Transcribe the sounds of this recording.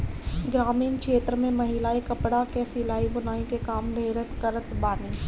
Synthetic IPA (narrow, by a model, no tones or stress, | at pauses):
ɡɾaːmiːnkʃeːt̪ɾəmẽmɐɦɪlaːikɐpɽakesilaːibʊnaːĩkekaːmɾʱeːɾət̪kəɾət̪baːniː